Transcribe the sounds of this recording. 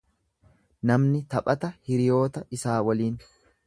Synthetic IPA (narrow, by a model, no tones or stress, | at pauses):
nɐmnɪt̪ɐpʼɐt̪ɐhɪɾɪjo̞ːt̪ɐɪsaːwɐliːn